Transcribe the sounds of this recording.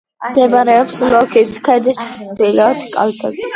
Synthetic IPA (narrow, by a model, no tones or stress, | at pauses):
d̪ɛmbaɾɛɔpslɔkʰiskʰɛd̪ɛʃʰi̥smd̪ilɛɔd̪kʼa̰lt̪ʰaz